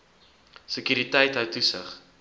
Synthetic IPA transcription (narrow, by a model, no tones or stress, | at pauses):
səkyːɾitɛjtɦəwtusə̰χ